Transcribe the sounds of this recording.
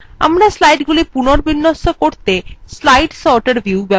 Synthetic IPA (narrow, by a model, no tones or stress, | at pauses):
a̰mɾaslajʈɡulipunoɾbinːost̪okoɾt̪eslajʈsɔɾʈeɾbʱjuubɛ